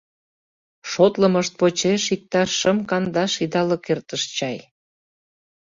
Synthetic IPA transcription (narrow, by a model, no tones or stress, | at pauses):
ʃot̪ləməʃt̪̚pot͡ɕeʃik̚t̪ɑʃːəmkɑnd̪ɑʃid̪ɑlɤkert̪əʃt͡ɕɑj